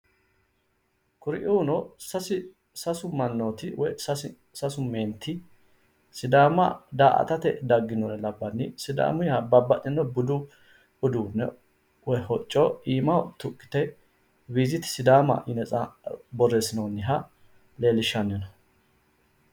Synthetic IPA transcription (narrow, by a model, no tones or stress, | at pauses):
kʊɾɪʔuːnɔsɐsɪ | sɐsʊmɐnːoːt̪ɪwɛsɐsɪ | sɐsʊmeːnt̪ʰːɪ | sɪd̪aːmɐd̪aːʔɐ̰t̪ɐt̪ɛd̪ɐɡːɪnonɛlɐbːɐnːɪsɪd̪a̰ːmʊjhɐbɐbːɐtʼːɪnːɔbʊd̪ʊ | ʊd̪uːnːɛ | wɔhɔt͡ʃʼːɔiːmɐt̪ʊkʼːɪ̥t̪ɛ | wiːzɪt̪ɪ̥sɪd̪aːmɐ̰ʔɪnɛt͡sʼɐbɔrːeːsɪnonːɪɦɐ | le̞ːlɪʃːɐnːɛnɐ